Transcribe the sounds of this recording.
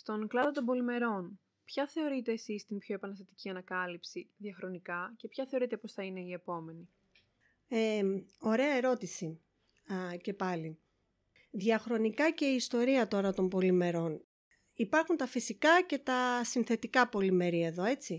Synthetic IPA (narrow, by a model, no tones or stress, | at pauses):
st̪o̞ŋklɐðot̪o̞mbo̞lime̞ɾo̞n | pçɐθe̞o̞ɾit̪e̞ːsist̪impço̞e̞pɐnɐst̪ɐt̪icʲiɐnɐkɐlipsiðʝɐxɾo̞nikɐce̞pçɐθe̞o̞ɾit̪e̞po̞sθɐine̞ie̞po̞me̞ni | eo̞ɾe̞ɐe̞ɾo̞t̪isi | ce̞pɐli | ðiɐxɾo̞nikɐce̞iːst̪o̞ɾiɐt̪o̞ɾɐt̪o̞mbo̞lime̞ɾo̞n | ipɐɾxunt̪ɐfisikɐce̞t̪ɐsinθe̞t̪ikɐpo̞lime̞ɾiɐeðo̞e̞t͡si